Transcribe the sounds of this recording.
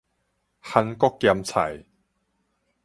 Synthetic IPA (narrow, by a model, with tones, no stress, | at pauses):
ha˧nkɔ˥kːja˧mt͡sʰa̰˨˩j